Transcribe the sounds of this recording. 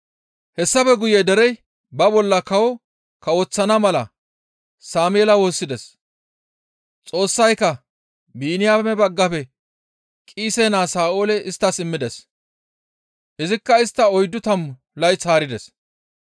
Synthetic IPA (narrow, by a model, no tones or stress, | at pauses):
hɛsːɐfɛɡʊjɛd̪ɛɾɛj | bɐbɔlːɐkɐwɔ | kɐoːt͡sːɐnɐmɐlɐ | saːmjɛːlɐwo̞ːsːɪd̪ɛs | t͡sʼo̞ːsːɐjkːɐ | biːnɪjaːmɛbɐɡːɐpɛ | kʼiːseːnaːsaːʔo̞ːlɛʔɪst̪ːɐsɪmːɪd̪ɛs | ʔɪzɪkːɐɪst̪ːɐɔjd̪ːʊt̪ɐm | lɐjt͡saːɾɪd̪ɛs